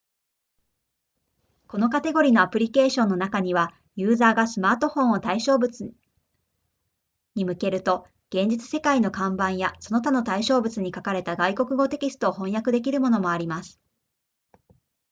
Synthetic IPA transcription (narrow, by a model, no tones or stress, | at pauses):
ko̞no̞kat̪e̞ɡo̞ɾʲinoapɯ̟ɾʲike̞ːɕõ̞nːo̞nakaɲ̟iβa | jɯːzaːɡasɨmaːt̪o̞hõ̞ɰ̃ot̪aiɕo̞ːbɯ̟t͡sɨ | ɲ̟imɯ̟ke̞ɾɯ̟t̪o̞ | ɡ̥ẽ̞ɲ̟d͡ʑit͡sɨ̥se̞kaino̞kãmbãɰ̃jaso̞no̞t̪ano̞t̪aiɕo̞ːbɯ̟t͡sɨɲ̟ikakaɾe̞t̪aɡaiko̞kɯ̟ɡo̞t̪e̞kʲist̪o̞ːɦõ̞ɰ̃jakɯ̟d̪e̞kʲiɾɯ̟mo̞no̞mo̞aɾʲimasɨ̥